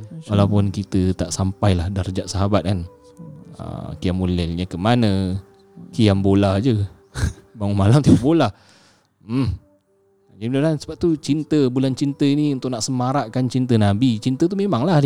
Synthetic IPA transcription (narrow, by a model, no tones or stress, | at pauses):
walawpʊnkit̪ət̪aʔsampajlahdard͡ʒaʔsaɦabat̪̚kan | ə̰kiamulɛlɲəkəmanə̃ | kijambolad͡ʒə | baŋʊnmalamt̪ibaʔbola | d͡ʒdimndansəbap̚t̪ut͡ʃint̪əbulant͡ʃint̪əiniunt̪ʊʔ̚naʔsəmaɾaʔkant͡ʃint̪ənabit͡ʃint̪ət̪̬umemaŋlah